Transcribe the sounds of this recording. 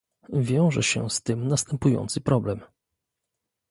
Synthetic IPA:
vʲjɔ̃w̃ʐɛ̰ɕɛ̰st̪ɘmnast̪ɛmpujɔ̰nt̪sɨpɾɔblɛm

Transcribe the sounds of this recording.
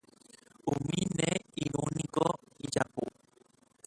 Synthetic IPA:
omĩnɛ̃iɾõnĩɡɔid͡ʒapo

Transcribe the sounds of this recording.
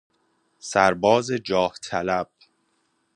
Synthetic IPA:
sæɾbɒːzed͡ʒɒːht̪ʰælæb̥̚

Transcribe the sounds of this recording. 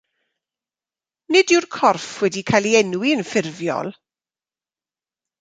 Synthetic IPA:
nɪdɪwrkʰɔrfwɛdikʰajlˠiɛnwiənfɪrvjɔ̰lˠ

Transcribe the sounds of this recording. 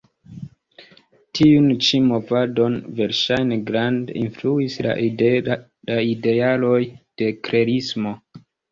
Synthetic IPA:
tʰiunt͡ʃimo̞vado̞nve̞ɾʃajneɡɾandinfluisla̰ | aide̞alo̞jd̥e̞kɾe̞ɾismo̞

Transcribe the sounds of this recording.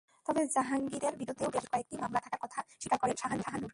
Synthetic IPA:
t̪ɔbed͡ʑaɦaŋɡiɾeɾbiɾud̪ʱːeobeʃkɔek̚ʈimamlat̪ʰakaɾkɔt̪ʰaʃikaɾkoɾeʃaɦanʃʰaɦanuɾ

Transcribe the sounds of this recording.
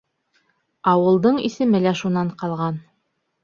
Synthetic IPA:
ɑwɤ̆lˠd̪ɤɴḭsɘ̆mɘlæʃunɑɴqɑlˠʁɑn

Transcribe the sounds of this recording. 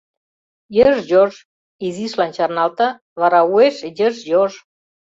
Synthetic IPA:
jəʒjoʒ | iziʃlɑnt͡ɕɑrnɑlt̪ɑ̆ | βɑɾɑueʃjəʒjoʒ

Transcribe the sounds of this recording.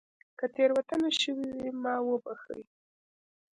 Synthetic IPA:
kət̪eɾwat̪anaʃəwiwimɑwəbaxə̰j

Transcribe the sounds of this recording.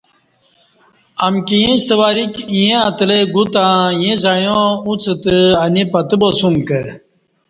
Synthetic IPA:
ɐmkijẽst̪əʋaːɾikijẽɐt̪leɡut̪ãːjẽzajõut͡sɨt̪ɨɐnipɐt̪ɨbosumkə

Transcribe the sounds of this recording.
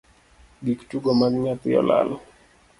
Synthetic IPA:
ɡiktuɡɔmanmiapiɔ̰la̰lɔ

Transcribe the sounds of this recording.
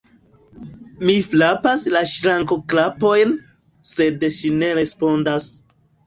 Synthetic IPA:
miflapaslaʃɾaŋko̞klapo̞jn | se̞dʃine̞ɾe̞spo̞ndas

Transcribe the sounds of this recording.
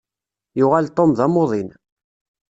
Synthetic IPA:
jʊʁalt̪ˤːomðɑmoðˤin

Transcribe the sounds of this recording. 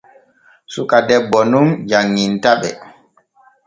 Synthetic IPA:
sukadɛbːɔnund͡ʒaŋːintaɓɛ

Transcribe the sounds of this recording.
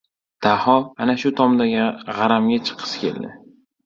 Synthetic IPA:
t̪ahɒanaʃʊt̪ʰɒmd̪aɡʲʁɑɾamɡʲat͡ʃʰɨ̥qʰɨ̥skʲʰe̞̰ld̪ɪ̰

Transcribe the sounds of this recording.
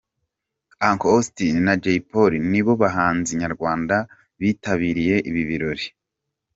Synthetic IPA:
aŋkoostinnad͡ʒeipoɾiniβo̞βaɦaːnziɲaɾɡwaːnda | βiːtaβiːɾije̞ʔiβiβiɾo̞ɾi

